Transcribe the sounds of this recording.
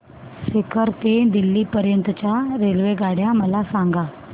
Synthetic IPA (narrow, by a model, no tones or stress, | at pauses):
sɪkʰəɾt̪ed̪ilːipəɾjənt̪t͡ɕaɾelʋeɡaːɽjãməlasãŋɡa